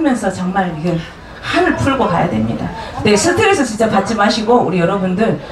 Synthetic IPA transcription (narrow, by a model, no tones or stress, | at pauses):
ɯmjʌnsʰʌt͡ɕʌŋmaɾiɡɯ | hanɯɭpʰuɭɡoka̰ja̰dwe̞mɲḭda̰nesʰɯtʰeɾesʰʌt͡ɕint͡ɕ͈apat̚t͡ɕ͈ʰimaɕʰiɡoṵɾijʌɾʌbundɯɭ